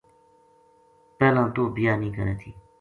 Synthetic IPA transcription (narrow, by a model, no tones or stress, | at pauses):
pɛːlãːt̪oːbijaːnĩːkə̰ɾḛːt̪ʰiː